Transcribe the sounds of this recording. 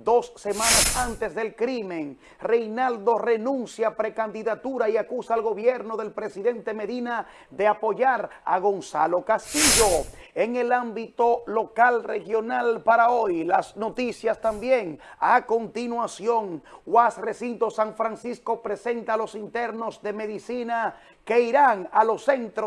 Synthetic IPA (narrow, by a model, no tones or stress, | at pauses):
d̪o̞sːe̞manasant̪e̞zðe̞lkɾimẽ̞ŋ | re̞jnald̪o̞re̞nũnsjapɾe̞kand̪iðat̪uɾaiakusaːlɣo̞βje̞ɾno̞ðe̞lpɾe̞siðe̞nt̪e̞me̞ðina | ðe̞apo̞ʝaɾaɣo̞nsa̰lo̞kast̪iʝo̞eŋe̞lambit̪o̞lo̞kalrexjo̞nalpaɾaojlasno̞t̪isjast̪ambjeŋako̞nt̪inwasjo̞ŋwasre̞sint̪o̞saɱfɾansisko̞pɾe̞se̞nt̪alo̞sint̪e̞ɾno̞zðeme̞ðisina | ke̞iɾaŋalo̞se̞nt̪ɾo